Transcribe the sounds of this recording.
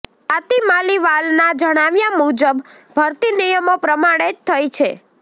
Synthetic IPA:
at̪imaliʋalnad͡ʒəɽ̃aʋjamud͡ʒəb | bʱəɾt̪inijəmopɾəmaɽ̃et̪ʰːəjt͡ʃʰe

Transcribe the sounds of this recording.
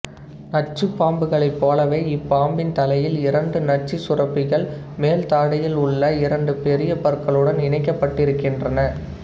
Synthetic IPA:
nɐt͡ʃːɯpːaːmbɯɣɐɭɐɪpːoːlɐʋeːɪpːaːmbɪnt̪ɐlɐjɪlɪɾɐɳɖɯnɐʈ̚t͡ʃːisʊrɐpːɪɣɐɭ | meːlt̪aːɽɐjɪlʊɭːɐɪɾɐɳɖɯpɛɾɪjɐpɐɾkɐɭɯɽɐnɪɳɐɪkːɐpːɐʈːɪɾɯkːɪndrɐnɐ

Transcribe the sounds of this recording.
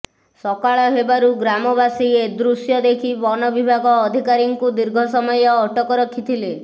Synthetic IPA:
sɔkaɭɔɦebaɾuɡɾamɔbasied̪ɾusjɔd̪ekʰibɔnɔbibʱaɡɔːd̪ʱikaɾiŋkud̪iɾɡʱɔsɔmɔjɔːʈɔkɔɾɔkʰːit̪ʰile

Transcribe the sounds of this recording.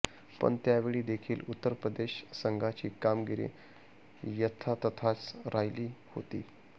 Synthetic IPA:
pə̰ɳt̪jaʋeɭiːd̪ekʰiːlut̪ːəɾpɾəd̪eɕsəŋɡʱat͡ɕiːkamɡiɾḭ | jət̪ʰat̪ət̪ʰat͡sɾajliːho̰t̪ḭː

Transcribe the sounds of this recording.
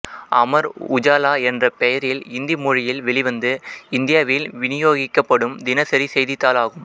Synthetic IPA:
ʔɐmɐɾʊd͡ʒaːlaːɛndrɐpɛjɐɾɪlɪnd̪imʊɻɪjɪlʋɛɭɪʋɐnd̪ɯɪnd̪ɪjaːʋɪlʋɪnɪjoːɣɪkːɐpːɐɽɯmd̪ɪnɐsɐɾisɛjðɪt̪ːaːlaːɣɯm

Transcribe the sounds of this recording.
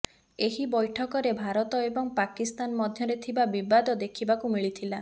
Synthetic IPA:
eɦibɔjʈʰɔkɔɾebʱaɾɔt̪ɔebɔŋpakist̪anmɔd̪ʱjɔɾet̪ʰibabibad̪ɔd̪ekʰibakumiɭit̪ʰila

